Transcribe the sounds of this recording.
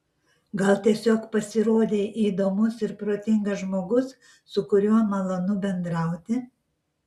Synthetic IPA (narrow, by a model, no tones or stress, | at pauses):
ɡɐlˠt̪ʲiɛsʲoːkpɐsʲɪɾoːd̪ʲeːʔiːd̪oːmʊsɪɾpɾoːt̪ʲɪŋɡɐʒmoːɡʊs | sʊkʊɾʲuɔmɐlˠɐnʊbʲɛnd̪ɾɐˑʊt̪ʲɪ